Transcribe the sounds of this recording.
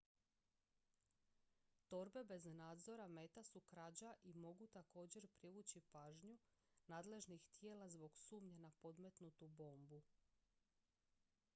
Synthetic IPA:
t̪o̞ɾbe̞be̞znaːd̪zo̞ɾame̞ːt̪asukɾad͡ʑaʔimo̞ɡut̪ako̞ːd͡ʑe̞ɾpɾiʋuːt͡ɕipaːʒɲunaːd̪le̞ʒnixt̪je̞ːlazbo̞ɡsuːmɲanapo̞d̪me̞t̪nut̪ubo̞ːmbu

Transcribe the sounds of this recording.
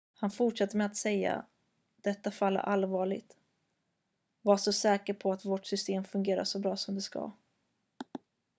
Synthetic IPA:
hanfʊʈʂat̪ːəmɛat̪sɛjːa̰ | d̪̥ɛt̪ːafalːə̰ɾʔalvɑːɭɪ̰ɡt̪ | vaʂɔsɛːkəɾpʰɔat̪voːʈsʏst̪eːmfɵŋɡeːɾa̰ʂɔbɾɑːsɔmd̪ɛska̰

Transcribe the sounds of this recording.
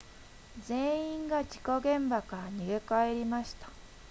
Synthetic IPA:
zẽ̞ĩŋɡad͡ʑi̥ko̞ɡẽ̞mbakaɾaɲiɡe̞kae̞ɾʲimaɕi̥t̪ḁ

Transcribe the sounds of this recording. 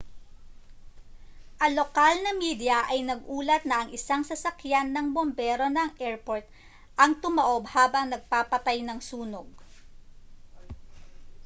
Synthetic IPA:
ʔɐŋlo̞kalnɐmiːd̪jɐʔɐjnɐɡ̚ʔuːlɐt̪̚nɐɐŋɪsaŋsɐsɐkjanːɐŋbombɛːɾo̞nɐŋʔɛɹpoɹt̪̚ | ʔɐŋt̪ʊmɐʔo̞bhaːbɐŋnɐɡ̚paːpɐt̪ajnɐŋsuːnoɡ̚

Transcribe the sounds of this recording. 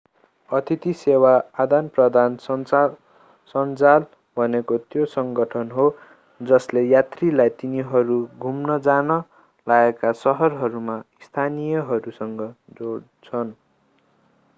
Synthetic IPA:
ʌt̪ʰit̪isewaːd̪anprʌd̪ʱan | sʌnt͡sal | bʱʌnekot̪josʌŋɡʌʈʰʌnɦo | d͡zʌslejat̪rilajt̪iniɦʌɾuɡʱumnʌd͡zanʌ | laekasʌɦʌrɦʌɾumaist̪ʰanijʌɦʌɾusʌŋɡʌd͡zoɽ | t͡sʰʌn

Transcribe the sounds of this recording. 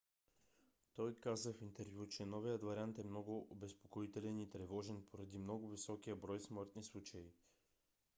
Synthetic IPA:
t̪ɔjkazəfint̪ɛɾvʲjut͡ʃɛnɔvijət̪vɐɾʲiant̪ɛmnɔɡʊʔobɛspokoit̪ɛlɛnit̪ɾɛvɔʒɛnpʰoɾɐd̪imnɔɡʊvisɔkijəbɾɔjsmɤɾt̪nislˠut͡ʃɐi

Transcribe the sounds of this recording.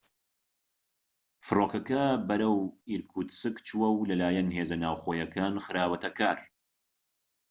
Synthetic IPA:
fɨroːkɐkɐbɐɾɐwiɾkʰut̪sɨkt͡ʃuwɐwlɐlaːjɛnɦeːzɐnaːwxoːjɐkaːnxɨɾaːwɐt̪ɐkaːɾ

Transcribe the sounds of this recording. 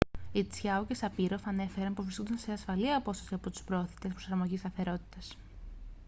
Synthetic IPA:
it͡sçɐucesɐpiɾo̞fɐne̞fe̞ɾɐnpuvɾiskond̪ɐnseɐsfɐliɐpo̞sɐ̥siɐpo̞t̪u̥spɾooθi̥t̪e̞spɾo̞sɐɾmo̞ʝist̪ɐθe̞ɾo̞t̪i̥t̪ɐs

